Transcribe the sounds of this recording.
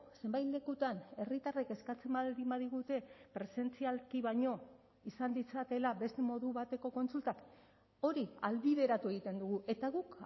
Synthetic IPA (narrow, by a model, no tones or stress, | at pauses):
se̞mbajt̪le̞kut̪ane̞rit̪areke̞skat͡se̞mbaðimbaðiɣut̪e̞pɾe̞se̞nt͡sialkiβaɲo̞ | isand̪it͡sat̪e̞laβe̞st̪e̞mo̞ðuβat̪e̞ko̞ko̞nsult̪ak | o̞ɾiald̪iðe̞ɾat̪ue̞ɣ̞it̪e̞nd̪uɣ̞uʔe̞t̪aɣuk